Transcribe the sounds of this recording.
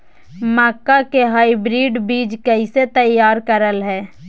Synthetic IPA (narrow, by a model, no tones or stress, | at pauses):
maːkakeɦaːibɾiːɖbiːd͡ʒkəɪset̪əjːaːɾkəɾəlɦɛː